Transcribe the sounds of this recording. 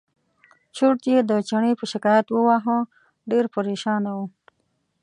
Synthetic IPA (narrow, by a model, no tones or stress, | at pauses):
t͡ʃʰuʈ̚t̪jed̪ət͡ʃaɳepəʃɪkɑjat̪wəwaɦə̃ | ɖeɾpəɾeʃɑnawu